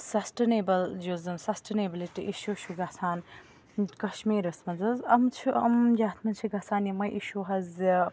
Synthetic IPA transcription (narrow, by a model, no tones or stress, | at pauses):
sɐsʈenebɐld͡ʒozɐmsɐsʈenebiliʈiʔiʃuːʃuɡɐsaːn | kɐʃmiːɾɐsmɐd͡zɐzɐmt͡ʃʰuʔɐ̰md͡ʒaːt̪ʰmɐnt͡ʃʰiɡɐsaːnjimɐjʔiʃuɦɐz